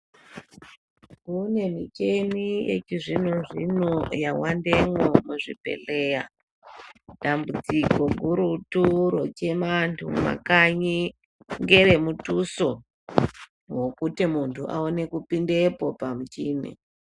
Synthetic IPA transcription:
kune̞mit͡ʃe̞nijḛt͡ʃiʐinoʐinojawandeŋomuʐipe̞̰le̞ːja | dambud͡ziko̞ɡʱuɾutuɾot͡ʃe̞mantʰuma̰kaɲi | ŋɡeɾe̞mutuso | wo̞kutimuntʰuʔa̰one̞kupindepo̞pamut͡ʃiːnḛ

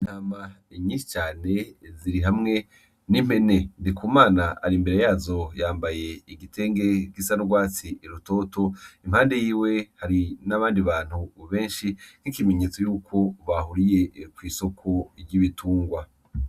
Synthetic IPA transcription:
in̥aːma | iɲiːnʃi̥t͡ʃaːne̞ziɾiɦamŋe̞ | nim̥he̞ne̞ndikuːmaːna̰ːɾimbeɾe̞jaːzo̞jaːmbaje̞iɡitʰe̞ːŋɡe̞kisanuɡwaːt͡siiɾuto̞to̞imhaːnde̞jiːwe̞haɾinaβaːndiβaːn̥huβe̞ːnʃin̥hikime̞ɲeːt͡so̞juːkʰo̞βahuɾije̞kwiːso̞kʰoɾɟiβituːŋɡwa

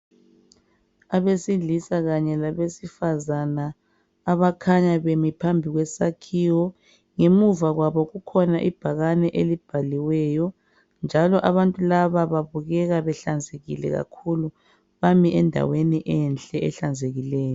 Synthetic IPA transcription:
aβesiɮisaɣaɲɛlaβesifazanaː | βakʰaɲaβemipʰambʱiɣwɛsakʰiːwɔ | ŋemuvaɣwaβɔɣukʰɔnaʔib̥ʱaɣanɛʔelib̥ʱaliwɛːjɔ | nd͡ʒʱalɔʔaβantʼulaβaβaβuɣɛɣaβɛɬand͡zʱeɣḭlɛ̰ɣa̰kʰulu | βamiʔɛndʱa̰weniʔɛnɬʼɛʔɛɬand͡zʱeɣilɛːjɔ

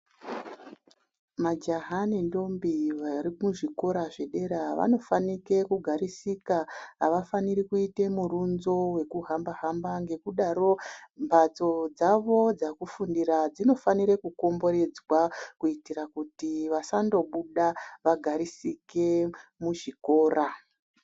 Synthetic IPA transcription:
mad͡ʒaɦanindo̞mbiʋaɾimuʐiko̞ɾaʐeɗe̞ɾaʋa̰no̞fanike̞kuɡʱaɾisikaɦaʋafaniɾikuite̞muɾunzo̞we̞kuɦambaɦambaŋɡe̞kuɗaɾo̞mbʱat͡so̞d͡zaʋo̞d͡zakufundiɾad͡zino̞faniɾekuko̞mbo̞ɾe̞d͡zwakuitirakutiʋasando̞ɓuɗaʋaɡʱaɾisike̞muʐiko̞ːɾa

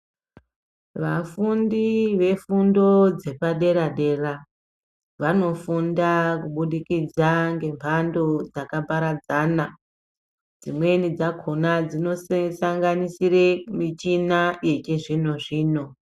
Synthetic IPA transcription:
ʋafundiʋe̞fundo̞d͡ze̞paɗe̞ɾaɗe̞ra | ʋano̞fundakuɓuɗikid͡zaŋɡe̞mpʰando̞d͡zakabʱaɾad͡zana | d͡zimwe̞nid͡zakʰonad͡zino̞ssaŋɡanisiɾemit͡ʃinaje̞t͡ʃeʐino̞ʐiːno̞

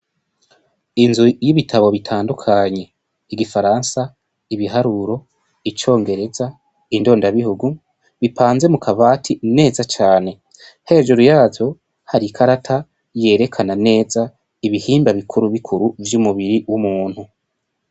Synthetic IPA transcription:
inzujiβitʰaβo̞βitʰaːndukʰaɲe̞ | iɡifaɾansa | iβiɦaɾuɾo̞ | it͡ʃo̞ːŋɡe̞ɾe̞za | indo̞ːndaβihuɡu | βipʰaːnze̞mukʰaβaːtʰine̞ːzat͡ʃaːne̞ | he̞ʒuɾujaːvo̞ | haɾikʰaɾatʰa | je̞ːɾe̞kʰanane̞ːza | iβihiːmbaβikʰuɾuβikʰuɾuvjumuβiɾiwumuːn̥hu

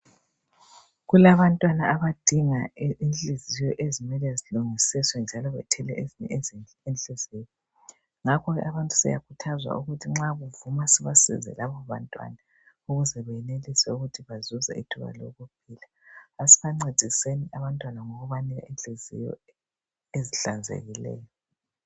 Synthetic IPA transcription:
ɣulaβantʼwanaaβad̥ʱiŋaint͡ɬʼizijɔʔezimɛlɛziluŋisiswɛnd͡ʒʱalɔβɛ̰tʰɛlɛʔeziɲɛ̰ | enɬʼizijɔ | ŋakʰɔɣɛ̰ʔaβantʼu̥sɛ̰ja̰kʰutʰazwa̰uɣutʰiŋ͡ǁaɣuvumasiβasḭzɛ̰laβɔβa̰ntʼwa̰na | uɣuzɛβɛjɛnelisɛuɣutʰiβazuzɛ̰itʰuβa̰lo̰ɣup̚ʰilaː | siβaŋ͡ǀed̥ʱiseniʔaβantʼwanaŋoɣuβanɛɣa̰ʔint͡ɬʼizḭjɔ̰ | eziɬand͡zʱḛɣilɛ̰ːjɔ

